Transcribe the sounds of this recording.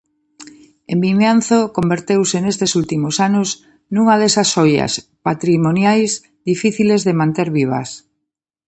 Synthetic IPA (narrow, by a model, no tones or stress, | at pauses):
embiɲan̟θokombeɾt̪ewsenest̪esult̪imosanʊs | nuŋɐðesasoja̰spat̪ɾimonjajz | ðifiθilezðemãnt̪eɾβiβ̞ɐ̰s